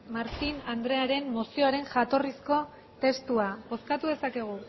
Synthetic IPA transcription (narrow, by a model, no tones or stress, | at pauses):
maɾt̪inand̪ɾe̞aɾe̞mːosio̞aɾe̞nʝat̪o̞risko̞ | t̪e̞st̪uaβo̞skat̪uðe̞sake̞ɣ̞u